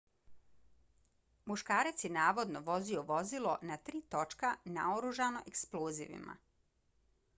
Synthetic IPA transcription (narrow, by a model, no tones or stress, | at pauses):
muʃkaːɾat̪sjenaːʋo̞d̪no̞ʋo̞zioʋo̞zilo̞nat̪ɾiːt̪o̞t͡ʃkana̰oɾuʒano̞ʔeksploːzḭʋḭma̰